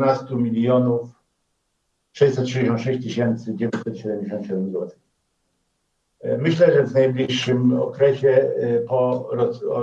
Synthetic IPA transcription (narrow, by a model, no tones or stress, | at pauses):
nast̪umʲilʲjɔnuf | tʂɛjsɛt̪tʂɨd͡ʑeɕ̬ɔ̃nt̪ʂɛɕt͡ɕt̪ɘɕɛnt̪sɘd͡ʑevʲɔsɛt̪ɕɛd̪ɛmd͡ʑeɕɔ̃nt̪ɕɛd̪ɛmzwɔt̪ɪ̥x | mɘɕlɛʐɛvnajblʲiʂːɘmɔ̰kɾɛɕɛpɔɾɔ